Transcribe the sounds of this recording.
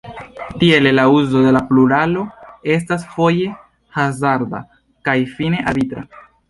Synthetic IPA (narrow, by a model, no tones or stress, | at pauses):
tie̞lelauzo̞de̞lapluɾalo̞e̞s̬tasfo̞je̞ | hazaɾda̰ | kajfine̞ʔabitɾa̰